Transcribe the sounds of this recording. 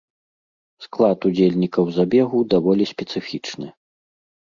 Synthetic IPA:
sklˠat̪ud͡zʲelʲnʲikɐwzabʲɛɣud̪avɔlʲisʲpʲɛt̪sɨfʲit͡ʂnɨ

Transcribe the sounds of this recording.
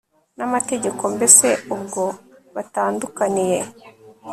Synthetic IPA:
namate̞ɟe̞ko̞mbese̞ubɡo̞βataːndukanije̞

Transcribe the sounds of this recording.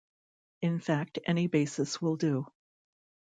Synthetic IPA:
ɨ̃nfæk̚tʰɛ̰nibeɪsɨswɪlˠdɨ

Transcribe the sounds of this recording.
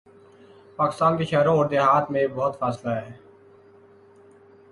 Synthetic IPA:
paːkɪ̥st̪aːnkeːʃɛːɾõːoːɾd̪eːɦaːt̪ʰmẽːbɔːt̪fʰaːslaːɦɛː

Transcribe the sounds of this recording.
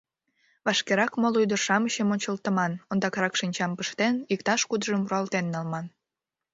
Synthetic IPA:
βɑʃkeɾɑkmolujd̪ərʃɑməɕəmonʲt͡ɕəlt̪ə̆mɑnond̪ɑkɾɑkʃinʲt͡ɕɑmpəʃt̪enik̚t̪ɑʃkud̪əʒəmuroɑlt̪enːɑlmɑn

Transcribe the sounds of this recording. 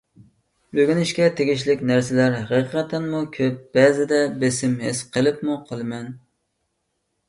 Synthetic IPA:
bøɡʲynɪʃkʲɛt̪ʰeɡʲiʃlɪkʲnæɾsɪlæɾɦæqiqʰɑt̪ʰɛnmukʲʰøp̚b̥ɛzɪd̪ɛbesɪmɦesqʰəlˠɨpmuqʰəlˠɨmɛn

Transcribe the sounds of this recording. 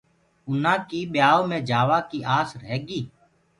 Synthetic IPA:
ʊnãːkiːɓjaːoːmẽːd͡ʒaːʋaːkiːʔaːsɾɦɛːɡiː

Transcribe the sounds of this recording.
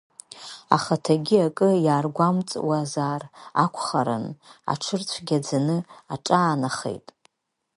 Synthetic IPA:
a̰χatʰaɡʲiakʼɨjaːrɡʷamt͡sʼwazaːra̰kʷʰʼχaɾɨ̰na̰ʈ͡ʂʰɨrt͡ɕʷʰɡʲad͡zanɨaʈ͡ʂʼaːnaχḛjtʼ

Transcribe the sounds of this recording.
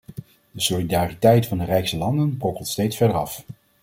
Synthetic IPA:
d̥əsolidaːritɛjtfɑndərɛjksəlɑndənprɔkəlˠtstejtsfɛɹdəɾɑf

